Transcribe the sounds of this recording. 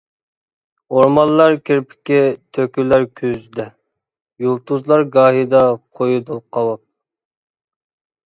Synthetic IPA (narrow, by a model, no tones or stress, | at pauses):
oɾmɑlˠlːˠɑɾkʲɪɾpʰɪ̥kʲɪt̪ʰøkʲylæɾkʲʰyzd̪ɛ | julˠt̪uzlˠɑɾɡɑːɦid̪ɑqʰojud̪uqʰɑwɑp̚